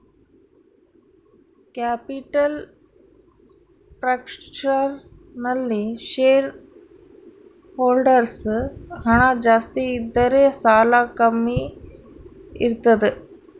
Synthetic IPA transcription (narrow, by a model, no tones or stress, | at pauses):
kaːpiʈɐl | pɾɐkʂt͡ʃɐ | nɐlːiʃeːɾ | hoːlɖɐɾshɐɳad͡ʒaːst̪iːd̪ːɐɾeːsaːlakɐmːi | ḭɾut̪ːɐd̪ɨ